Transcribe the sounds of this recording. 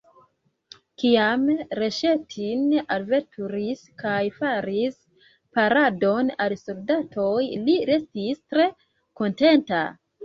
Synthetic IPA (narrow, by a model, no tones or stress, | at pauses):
kiamɾe̞ʃe̞tʰinalvetʰuɾiskajfaɾis | paɾado̞nalsoldatʰo̞jliɾe̞stistɾe̞ | ko̞nte̞nta